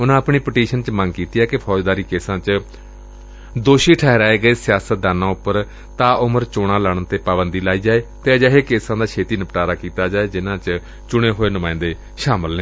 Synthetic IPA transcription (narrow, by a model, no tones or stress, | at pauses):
ʊnãːəpɳiːpəʈiːʃənt͡ʃməŋɡkiːt̪iːɛːkɪpʰɔːd͡ʒd̪aːɾiːkeːsãːt͡ʃ | d̪oːʃiːʈʰɛːɦɾaːeːɡəeːsɪjaːsət̪̚d̪aːnãːʊpːəɾ | t̪ãːʔʊməɾt͡ʃoːɽ̃ãːləːɽ̃ənt̪eːpaːbənd̪iːlaːiːd͡ʒaːeːt̪eːd͡ʒəɦeːkeːsãːd̪aːkʰeːt̪iːnəpʈaːɾaːkiːt̪aːd͡ʒaːeːd͡ʒɪnãːt͡ʃ | t͡ʃʊɽ̃eːɦoːeːnʊmãːɪ̃nd̪eː | ʃaːməlnẽː